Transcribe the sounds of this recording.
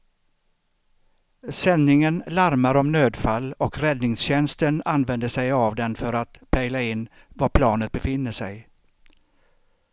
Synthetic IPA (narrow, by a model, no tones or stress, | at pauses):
sɛnːɪŋənlaɾmaɾɔmnøːd̪falːɔkɾɛd̪nɪŋsɕɛnst̪ənanvɛnd̪əʂɛjavd̪ɛnfœɾat̪pʰɛjlaɪnː | vaɾpʰlɑːnət̪̚bɛfɪnːəʂɛ̰j